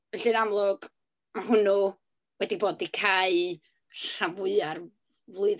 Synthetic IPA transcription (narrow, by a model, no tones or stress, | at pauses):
ɛɬɨnamlˠʊɡ̥ | maɦʊnʊ | wɛdiboːdikʰaɨ | ɬavʊɨar | vlˠʊɨð